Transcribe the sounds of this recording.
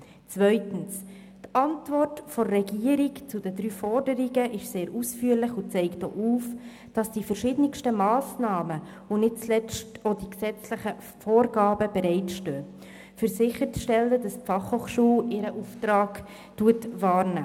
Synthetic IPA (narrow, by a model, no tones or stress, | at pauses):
t͡sʋœʏtən̩s | tɑntvɔrtfɔrɛɡiəɾikt͡sudədɾyːfɔrdəɾiɡəʔɪʃseːɾʔusfyːəɾlɪχʊt͡sɛɪkto̰ːʔuːf | d̥ɑsd̥ifəɾʃɪdnɪkʃtəmɑːsnɑːmə | onɪt̚t͡slɛtodiksɛt͡slɪχə | foːrɡɑːbəb̥ɛɾɛɪt͡sʃtøː | fʏɾsɪχəɾt͡sʃtɛlːədɑstfɑχhoːχʃuːlɪɾəʔuftɾɑːɡ | tuətʋɑːɾnæ